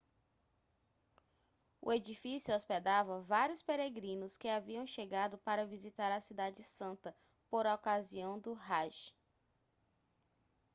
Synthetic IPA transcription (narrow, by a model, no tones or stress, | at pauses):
ʊ̰ed͡ʒifisjʊɔsped̪avɐvaɾijʊspeɾeɡɾĩnʊskɪaviɐ̃w̃ʃeɡad̪ʊpaɾɐvizit̪aɾɐsid̪ad͡ʒɪsɐ̃nt̪ɐ | poɾɔkaziɐ̃w̃d̪ʊɦaʒ